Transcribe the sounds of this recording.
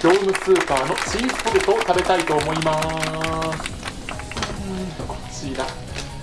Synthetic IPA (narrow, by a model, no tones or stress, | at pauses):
ɡʲo̞ːnɯ̟t͡sɨːpaːno̞t͡ɕiːsɯ̥poɾɯt̪ot̪abe̞t̪ait̪o̞ːmo̞ima | sɨ̥ | kot͡ɕid̪a